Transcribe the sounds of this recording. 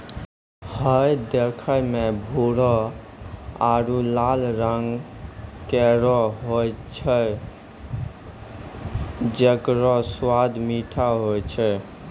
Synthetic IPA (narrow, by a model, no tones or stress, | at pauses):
həjd̪ekʰəmebʱuɾɔ | aɾulalɾəŋɡ | kɛɾɔɦojt͡ʃʰə | d͡ʒekɾɔswad̪miʈʰaɦojt͡ʃʰɛ